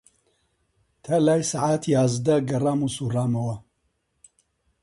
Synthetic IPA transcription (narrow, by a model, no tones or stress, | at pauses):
t̪ʰɐlaːjsaʕaːt̪ʰiaːzd̪ɐɡɐraːmusuraːmɐwɐ